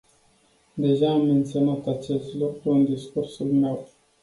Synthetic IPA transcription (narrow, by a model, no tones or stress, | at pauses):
d̪e̞ʒaːmːe̞nt̪sionat̪at͡ʃe̞st̪lukɾuɨnd̪iskursulme̞w